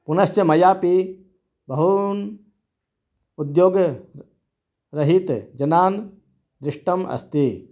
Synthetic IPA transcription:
punɐst͡ʃəmɐjaːpi | bɐɦun | ud̪joːɡ | ɾɐɦit̪d͡ʒɐnaːn | d̪ɾɪʂʈɐmɐ̰st̪i

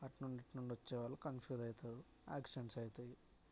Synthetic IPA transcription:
ɐʈnuɳɖiʈnuɳɖʋɐt͡ʃːɛːʋaːlːukɐnpʰjuːd̪ɐjit̪aːɾu | a̰ːkʂɐnsɐjt̪ei

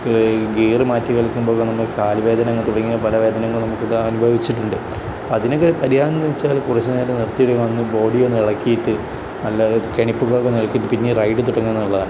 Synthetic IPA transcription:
ɡiːrɨmaːtːikɐɭkːumbo̞ːkːɐnɐmːɐkaːlʋe̞ːd̪ɐnɐŋːɐɭt̪uɽɐŋːijɐpɐlɐʋe̞ːd̪ɐnɐŋːɐɭnɐmukːɨɐnubʱɐʋit͡ɕːiʈːuɳɖɨ | poɐðinokːeɾpɐɾijaːnd̪ɐit͡ɕːaːlkurɐt͡ɕːɐnaːjiʈːɨnirt̪ːijeɽukːɐmonːɨbo̞ːɽijo̞nːɨiɭɐkːijiʈːɨ | nɐlːɐkeɳipːɨkoɭːkːonːiɭɐkːijiʈːɨpinːerɐjʈːɨt̪uɽɐŋːienːuɭːɐðaːn

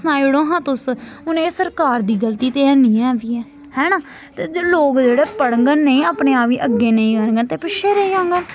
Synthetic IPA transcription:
snaːiɽõːɦãːt̪ʊs | ʊnẽːsəɾkaːɾd̪iːɡəlt̪iːt̪eːɛ̃ːnĩːɛ̃ːʋiːɛː | hɛːnaː | t̪eːd͡ʒloːkd͡ʒeːɽeːpəɽəŋɡənːəĩːaːpɳẽːaːpiːʔəɡːeːnəĩːkəɾŋɡənt̪eːpɪʃʰeːɾəiãːŋɡən

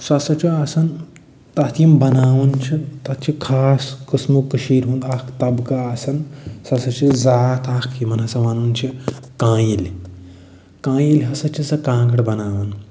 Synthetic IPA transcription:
sɐsɐt͡ʃʰiasɐn | t̪ɐt̪imbɐnaːʋɐnt͡ʃʰit̪ɐt̪t͡ʃʰikʰaːskɨsmukəʃiːɾɦũːnd̪aːkt̪ɐbɡɐaːsɐnsɐsɐt͡ʃʰizaːt̪aːkʰimɐnɐsɐʋanuːnt͡ʃʰikãːjilʲ | kãːjilʲɦɐsɐt͡ʃʰisɐkãːɡɐɽbɐnaːʋɐn

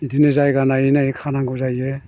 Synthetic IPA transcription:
idinezajɡanainaikʰanaŋɡɯzaje

